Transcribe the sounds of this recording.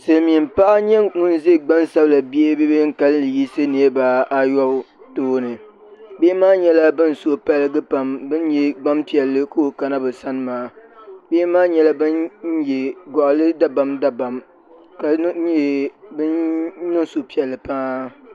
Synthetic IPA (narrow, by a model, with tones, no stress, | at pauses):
sɨ˨lmi˨m˦pa˦ʔa˦ɲɛ˦ŋʊ˦n˦ze˦˨ɡ͡ba˦nsa˦bla˨bi˦e˦be˦be˦ŋ̩˦ka˦llɨ˨ji˦sɨ˦ne˨˦e˦ba˨a˦jɔ˦ | toː˦nɨ˨ | beː˦maː˦ɲɛ˦la˦bɨ˦n˨so˨pa˦lɨ˦ɡɨ˦pa˨mbɨ˦njɛ˦ɡ͡ba˦mpi˨ɛ˨lːɨ˦ko˦o˨ka˨na˦bɨ˨sa˦nɨ˦maː˨˦beː˦maː˦ɲɛ˦la˦bɨ˦nn̩˦jɛ˨ɡɔ˨ʔlɨ˦da˦ba˨mda˦ba˨m | ka˨˦˨ | bɨ˦nnɨ˦ŋso˨pi˦˨ɛ˨lːɨ˨pa˦